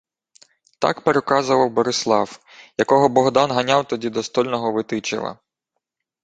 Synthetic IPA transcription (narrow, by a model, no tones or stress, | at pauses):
t̪ɑ̰kpeɾekɑzʊʋɐwbɔɾɪslˠɑw | jɐkɔɦɔbɔɦd̪ɑnɦɐnʲɑwt̪ɔdʲid̪ɔst̪ɔlʲnɔɦɔʋɪt̪ɪt͡ʃɪ̰ʋɐ̰